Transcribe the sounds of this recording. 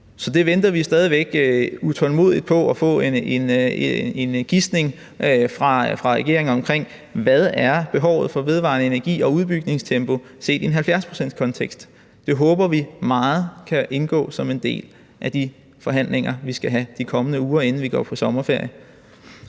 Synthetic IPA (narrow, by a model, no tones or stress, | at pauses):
sɒ̽d̥e̝ʋend̥ɐʋisd̥ɛːð̞ˠiʋeɡ̥ut͡sʰɒ̽lmo̝̰ð̞̰ˠid̥̚pʰɒ̽ɒfɔ̰̽een | enɡ̥isd̥ne̝ŋ | fʁɑ̈fʁɑ̈ʁɛɡ̥e̝ɐ̰eŋɒ̽mkʰʁeŋ̰ | ʋæð̞ˠæɐb̥e̝ɦɒʊ̰ð̞̩ˠfɒ̽ʋe̝ð̞ˠʋɑ̰̈nəe̝næɐɡ̥ḭːɒ̽uðˠb̥yɡ̥ne̝ŋst͡sʰemb̥o̝se̝̰ːd̥ienɦælfjæɐspʰʁo̝sen̰̥kʰɒ̽nt͡sʰeɡ̥sd̥ː | e̝ɦɔ̽ːb̥ɐʋimɑ̈ːð̞̩ˠkʰæʔe̝nɡ̥ɔ̰̽ːsɒ̽me̝nd̥e̝̰ːl | ʔæd̥i | fɒ̽ɦæn̰le̝ŋɐʋisɡ̥æɦæd̥ikʰɒ̽mənəuːɐe̝nn̩ʋiɡ̥ɒ̰ːpʰɒ̽sɒ̽mɐfe̝ɐ̰jə